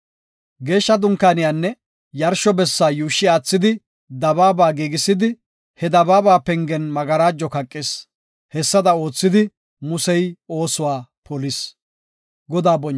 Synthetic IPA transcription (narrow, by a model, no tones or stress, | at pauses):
ɡe̞ːʃːɐd̪ʊŋkaːnɪjanːɛ | jɐɾʃɔbɛsːaːjuːʃːɪaːt͡sːɪd̪ɪ | d̪ɐbaːbaːɡiːɡɪsɪd̪ɪ | hɛd̪ɐbaːbaːpɛŋɡɛnmɐɡɐɾaːd͡ʒːɔkɐkʼːɪs | hɛsːɐd̪ɐo̞ːt͡sːɪd̪ɪ | mʊsɛjo̞ːsʊwaːpɔlɪs | ɡɔd̪aːbɔn